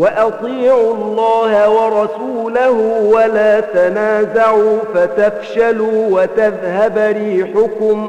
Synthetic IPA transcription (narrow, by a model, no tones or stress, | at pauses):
waʔɑt̪ˤiːʕʊɑlːɑːhawɑɾˤɑsuːlahʊwalaːt̪anaːzaʕuːfat̪afʃaluːwat̪aðhabɾiːħʊkʊm